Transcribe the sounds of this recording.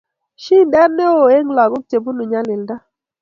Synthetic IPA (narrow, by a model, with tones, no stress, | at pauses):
ʃi˦n˦dɛ˦ne˦o˨e˦ŋ˦la˨ɡu˦te˨bu˦nu˨ɲa˦lɪ˨lda˦